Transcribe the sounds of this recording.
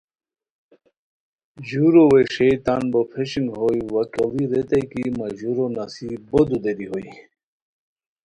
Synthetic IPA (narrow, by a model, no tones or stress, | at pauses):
ʑuɾoweʂejt̪anbopʰeɕiŋɡɦojwɐkɐliɾet̪ejkimaʑuɾonasibod̪ud̪eɾiɦoi